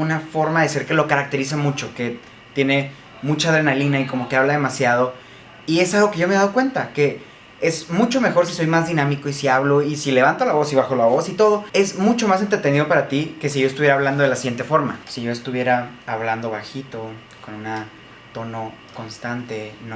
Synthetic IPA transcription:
unafo̞ɾmaðe̞se̞ɾke̞lo̞kaɾak̚t̪e̞ɾis̬amut͡ʃo̞ke̞ | t̪je̞ne̞ | mut͡ʃaðɾe̞nalinaiko̞mo̞ke̞aβlaðe̞masjað̞o̞ | ie̞salɣo̞ke̞ʝo̞meðaðokwe̞nt̪ake̞ | e̞zmut͡ʃo̞me̞xo̞ɾsiso̞jmazðinãmiko̞isiaβlo̞isile̞β̞ant̪olaβo̞siβaxo̞laβo̞sit̪o̞ð̞oe̞zmut͡ʃo̞mas̬ent̪ɾe̞t̪e̞nið̞o̞paɾat̪ike̞s̬iʝo̞est̪uβjeɾaːβland̪o̞ðelasiɣje̞nt̪e̞fo̞ɾma̰siʝo̞e̞st̪uβje̞ɾaːβland̪o̞βaxit̪o̞ | ko̞nuna | t̪o̞no̞ | ko̞nst̪ant̪e̞no

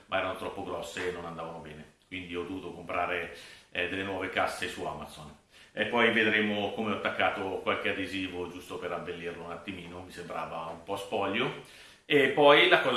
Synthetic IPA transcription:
mʔaɛːɾanot̪ɾɔpːoɡɾɔsːeːnːonand̪aːvanobɛːnekwind̪iɔd̪ovuːt̪okompɾaːɾed̪elːenwɔːvekasːesua̰mat̪son | epːɔjved̪ɾeːmokomeɔt̪ːakːaːt̪okwalkead̪eziːvod͡ʒust̪opeɾabːelːirlounat̪ːimiːnomisembɾa̰ːvaumpɔspɔʎːo | epːɔjlakɔz

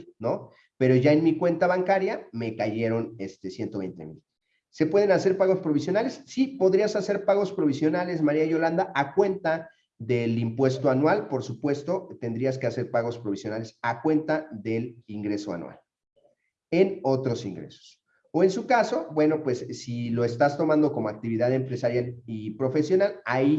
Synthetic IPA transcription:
no̞ | pe̞ɾo̞ʝaenmikwe̞nt̪aβaŋkaɾjame̞kaʝe̞ɾo̞nest̪esje̞nt̪o̞βejnt̪e̞̰mḭl | se̞pwe̞ð̞e̞nase̞ɾpaɣo̞spɾo̞β̞is̬jo̞nale̞sːipo̞ðɾiasase̞ɾpaɣo̞spɾo̞βisjo̞nale̞s̬maɾiajo̞land̪aʔakwe̞nt̪a | ðe̞limpwe̞st̪oanwalpo̞ɾsupwe̞st̪o̞t̪e̞nd̪ɾiaske̞ase̞ɾpaɣo̞spɾoβisjo̞nale̞sakwe̞nt̪aðe̞liŋɡɾe̞so̞a̰nwa̰l | e̞no̞t̪ɾo̞sḭŋɡɾe̞̰so̥s | oe̞nsukaso̞bwe̞no̞pwe̞sːilo̞est̪ast̪o̞mãnd̪o̞ko̞moak̚t̪iβiðaðempɾe̞saɾjalipɾo̞fe̞sjo̞nalai

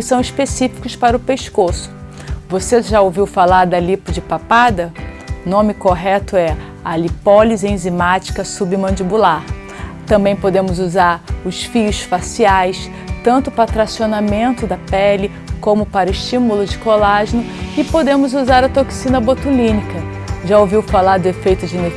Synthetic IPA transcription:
ɪsɐ̃w̃iʃpesifi̥kʊspaɾʊpeʃkosʊ̥ | voseʒaowviwfalaɾd̪ɐlipʊd͡ʒɪpapad̪ɐnõmɪkoɦɛt̪ʊɛ | alipɔlizẽj̃zimat͡ʃi̥kɐsubɪmɐ̃d͡ʒibulaɾ | t̪ɐ̃bẽj̃pod̪ẽmʊzuzaɾʊsfijʊsfasiajs | t̪ɐ̃nt̪ʊpɾat̪ɾasionamẽnt̪ʊd̪ɐpɛlɪ | kõmʊpaɾɐɪʃt͡ʃĩmulʊd͡ʒɪkolaʒɪnʊɪpod̪ẽmʊzuzaɾɐt̪oksĩnɐbot̪ulĩnikɐ | ʒaowviwfalaɾd̪ʊefejt̪ʊd͡ʒɪine

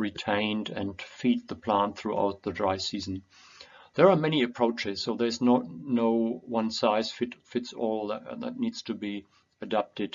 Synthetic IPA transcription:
ɹitʰẽɪ̃ndɨ̰̃nfid̪̚ðəpʰl̥æ̃nθɹuʔa̰ʊt̪̚ðədɹaɪsizn̩ | ðə˞amɛñiɨpʰɹ̥oʊt͡ʃɪz̥soʊðə˞ɨznətnoʊwʌ̃nsaɪz̥fɪtfɪtsɔlˠððə̰tⁿnidz̥tʰɨbi | ɨdap̚tɨd̥

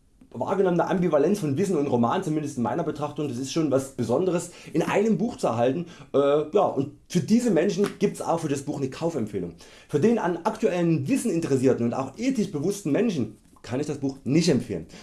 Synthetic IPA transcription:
va̰ːɐɡənɔmənəʔambivalɛnt͡sfɔnvɪsn̩ʊntʁomaːnt͡sʊmɪndəstɪnma̰ɪnɐbətʁ̥aχtʊŋdasɪstʃoːnvasb̥əzɔndəʁ̞əsʔɪnʔa̰ɪnəmbuːxt͡suɛɐɦaltn̩ʔɛːjaːʔʊnt | fyːɐdiːzəmɛnʃn̩ɡ̥iːp̚tsa̰ʊxfyːɐdasb̥uːxnəkʰaʊfɛmfeːlʊŋ | fyːɐdeːnʔa̰nʔaktuɛlənvɪsn̩ɪntəʁɛs̬iːɐtn̩ʊnta̰ʊxʔeːtɪçb̥əvʊstn̩mɛnʃn̩ | kʰanɪçd̥asb̥uːxnɪçtɛmfḛːlən

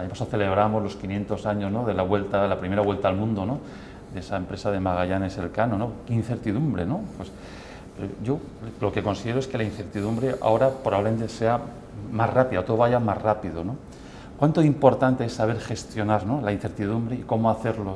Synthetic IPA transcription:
aɲpasaθe̞le̞β̞ɾamo̞zlo̞skinje̞nt̪o̞saɲo̞zno̞ðelaβwe̞lt̪alapɾime̞ɾaβwelt̪aːlmũnd̪o̞no̞ | d̪esaempɾe̞saðe̞maɣ̞aʝane̞se̞lkanono̞keinθe̞ɾt̪iðumbɾe̞no̞pwes | peɾoʝo̞ | lo̞ke̞ko̞nsið̞eoeske̞lain̟θe̞ɾt̪iðumbɾe̞ʔa̰o̞ɾapɾoβaβleme̞nt̪ese̞a | mazrapiðat̪ooβajamazrapiðo̞no̞ | kwant̪oimpo̞ɾt̪ant̪eesːaβ̞e̞ɾxe̞st̪jo̞naɾno̞lain̟θe̞ɾt̪iðumbɾeiko̞moaθe̞ɾlo̞

